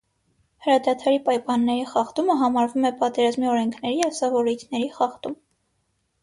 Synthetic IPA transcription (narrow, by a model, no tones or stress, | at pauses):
həɾɑd̪ɑt̪ʰɑɾipɑjpɑnːɛɾiχɑχt̪uməɦɑmɑɾvumɛpɑt̪ɛɾɑzmiɔɾɛŋkʰnɛɾijɛsɑvɔɾujt̪ʰnɛɾiχɑχt̪um